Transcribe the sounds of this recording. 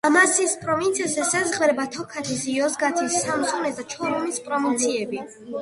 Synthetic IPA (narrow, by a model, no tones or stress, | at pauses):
amasiːspʼɾɔvinsʰiasɛsazʁvɾɛbat̪ʰɔkʰat̪ʰisiɔzɡat̪ʰisːamsʰɔnɛsd̪at͡ʃʰɔɾumispʼɾɔvint̪sʰiɛbi